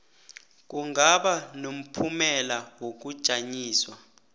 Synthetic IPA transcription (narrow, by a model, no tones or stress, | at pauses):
k̬uŋaɓanom̩pʰumɛlawok̬ud̥ʒ̥ʱaɲiːswa